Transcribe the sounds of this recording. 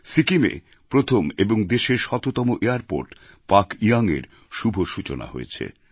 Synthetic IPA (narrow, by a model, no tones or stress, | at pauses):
sikimḛ | pɾot̪ʰomeboŋd̪eʃeɾʃɔt̪ot̪ɔmoʔeaɾpo̰ɾʈ | pakiaŋḛɾ | ʃubʱoʃut͡ɕona̰ɦo̰jḛt͡ɕʰḛ